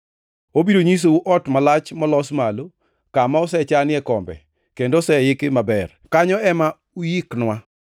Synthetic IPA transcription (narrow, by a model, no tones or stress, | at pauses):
obidoɲis̬ouʔɔtmalat͡ʃmɔlɔsmalo | kamaɔsɛt͡ʃanɪɛkɔmbɛ̰ | kendosɛjɪkɪmabɛr | kaɲɔɛma | ujiknwa